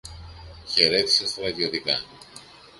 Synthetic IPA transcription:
çe̞ɾe̞t̪i̥sest̪ɐɾɐðio̞t̪ikɐ

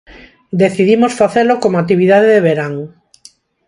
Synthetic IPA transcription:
d̪eθiðimosfaθelokomoat̪iβiðaðeðeβeɾaŋ

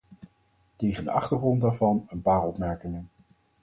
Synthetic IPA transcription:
tejχəndə̰ʔɑχtəɹχrɔndaːɹvɑnənpaːɹɔpmɛɹkɪŋən

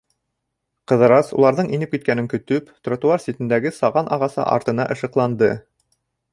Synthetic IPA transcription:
qɤ̆ðɤ̆ɾɑsṵlˠɑɾðɤɴinɘpkit̪̚kænɘŋkɵ̆t̪ɵpt̪rot̪uarsʲit̪ɘ̆nd̪æɡɘsɑʁɑnʔɑ̰ʁɑsɤ̰ʔɑ̰ɾt̪ɤ̆nɑʔɤ̆ʃɤ̆qlˠɑnd̪ɤ

